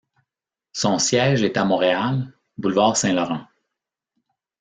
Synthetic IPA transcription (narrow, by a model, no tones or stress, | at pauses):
sɔ̃sjɛːʒet̪amɔ̃ʁeal | bulvaːʁsɛ̃lɔʁɑ̃